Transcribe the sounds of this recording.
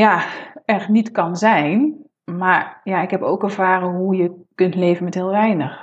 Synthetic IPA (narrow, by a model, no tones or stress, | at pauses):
jaɛrxnitkɑnzɛjn | maɹjaɪkɦɛpoːkɛɹvaːrəɦujəkɵntleːvənmɛthɪːlˠʋɛjnəx